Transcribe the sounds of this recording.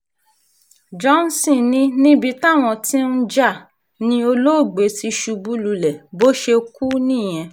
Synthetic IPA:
d͡ʒɔ̃˦n˦sĩ˦˨nĩ˦nĩ˦bi˧ta˦˨w̃ɔ̃˧tĩ˦n̩˦d͡ʒa˦˨ | nĩ˧o˧lo˦˨ɡ͡be˨˦ti˧ʃu˧bu˦lu˧lɛ˨bo˦ʃe˧ku˦nĩ˦˨j̃ɛ̃˧

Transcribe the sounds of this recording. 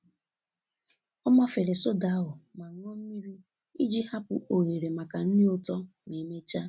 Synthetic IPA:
ɔ˦ma˦fe˨ɾe˨so˦da˨˦ɦʊ˨ma˨ŋ̩˦ŋɔ˦m̩˦mi˦ɾi˦ | i˦d͡ʒi˦ha˦pʊ̰˨ʔo˨ɲe˨ɾe˨ma˨ka˨n̩˦nɪ˦o˦tɔ˦ | ne˨me˦t͡ʃa˦

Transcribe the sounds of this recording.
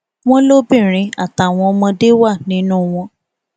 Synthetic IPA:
w̃ɔ̃˦lo˦bĩ˦˨ɾ̃ĩ˨˦a̰˦˨ta˨˦˨w̃ɔ̃˧mɔ̃˧de˦wa˦˨nĩ˨˦nũ˦w̃ɔ̃˧

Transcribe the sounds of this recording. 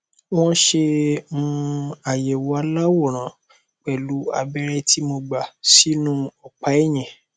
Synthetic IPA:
w̃ɔ̃˦ʃe˧mũ˦a˨jɛ˨wɔ˨˦a˧la˦wo˦˨ɾ̃ã˨˦ | k͡pɛ˨lu˨˦a̰˧bɛ˦ɾɛ˧ti˦mo˧ɡ͡ba˨si˨˦nũ˦ɔ˨k͡pa˨˦e˦˨j̃ɛ̃˨

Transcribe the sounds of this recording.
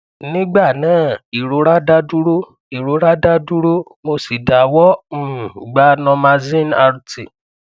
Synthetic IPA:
nĩ˦ɡ͡ba˦˨nãː˦˨i˨ɾo˨˦ɾa˦da˦du˦ɾo˦ | i˨ɾo˨˧˦ɾa˦da˦du˦ɾo˦ | mo˧si˨da˨wɔ̃˦˨ɡ͡ba˦nɔ̃˧mã˧zĩ˦˨na˧ɾu˨tḭ˨

